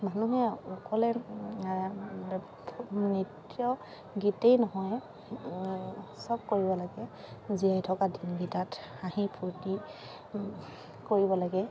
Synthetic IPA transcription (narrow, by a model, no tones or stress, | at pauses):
manuɦɛɔkɔlɛ | nitjɔ | ɡitejnɔɦɔj | sɔb̚koɹibɔlaɡɛ | zijajtʰɔkadinɡitataɦipʰuti | koɹibɔlaɡɛ